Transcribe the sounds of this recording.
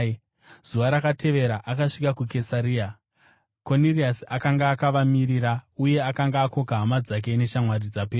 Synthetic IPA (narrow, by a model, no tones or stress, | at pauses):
z̥uʋaɾakatʰe̞ʋe̞ɾaʔakaʂikakuke̞saɾiːa | ko̞niriasakaŋɡaːkaʋamiɾiɾauje̞akaŋɡaːko̞kaɦamad͡zak̬e̞ne̞ʃamwarid͡zapeː